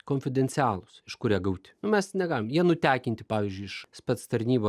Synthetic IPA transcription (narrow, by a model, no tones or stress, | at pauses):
koːnʲfʲɪd̪ʲɛnʲsʲɪɑːlˠʊsɪʃkʊɾʲiɛɡɐʊt̪ʲɪ̥nʊmʲɛsnʲɛɡɑːlʲɪmjiɛnʊt̪ʲæːkʲɪnʲt̪ʲɪpɑːʋʲiːzʲd͡ʒʲʊɪɪʃspɛt̪st̪ɐɾʲnʲiːboː